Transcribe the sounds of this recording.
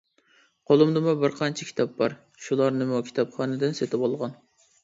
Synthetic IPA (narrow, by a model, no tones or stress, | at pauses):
qʰolˠɨmd̪ɨmʊbɪɾqʰɑnt͡ʃʰɛkʲʰi̥t̪ʰɑp̚bɑɾ | ʃulˠɑɾnɨmukʲʰi̥t̪ʰɑpχɑːnɨd̪ɨnset̪ʰɪbolˠʁɑn